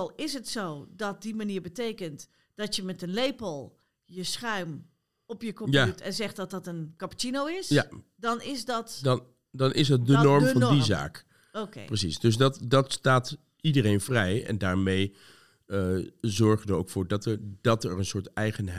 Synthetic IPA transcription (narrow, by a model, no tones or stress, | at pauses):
lˠɪsɦətsowdɔt̚dimaniːɹbətejkənt | d̥ɔtjəmɛtənlejpəlˠ | jəsxœɥm | ɔpjəkõpjautʰɛnzɛxtdɔt̚dɔtənkapu̥t͡ʃinowɪsja | dɔnɪsdɔtdn | dɑnʔɪ̰zdɑtdənɔɹmfɑndiza̰ːk | okḛprəsisdɵs̬dɑtdɑtstaːt | idərejnvrɛjɛ̰ndaːɹmej | əzɔɹχənəo̰wkfʊːɹdtd̥ɑtɛrənsʊːɹtɛjχənɦ